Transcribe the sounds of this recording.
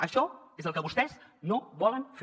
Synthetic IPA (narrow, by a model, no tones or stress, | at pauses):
əʃɔezəlˠkəβust̪ɛznoβɔlənf